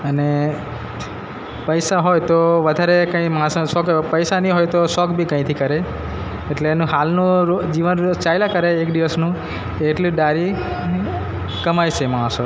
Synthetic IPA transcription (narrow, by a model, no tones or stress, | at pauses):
əne | pəjsaɦojt̪oʋəd̪ʱaɾekə̃ĩmãssɔkpəjsanĩɦojt̪osɔkbʱikə̃ĩt̪ʰikəɾe | eʈleːnũɦalnũod͡ʒiʋənɾot͡ʃajlakəɾeːkd̪iʋəsnũ | kːʈliɖaɾi | kəmajt͡ʃʰemãso